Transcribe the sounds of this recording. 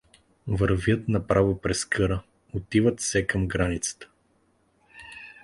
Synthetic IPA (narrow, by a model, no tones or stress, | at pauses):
vəɾvjət̪nɐpɾavopɾɛskɤɾə | ot̪ivət̪sɛkɐmɡɾanit̪sə̥t̪ə̥